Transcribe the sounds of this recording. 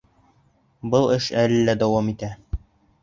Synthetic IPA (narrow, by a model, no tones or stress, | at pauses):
bɤlˠɘʃællːæd̪æwɑmit̪æ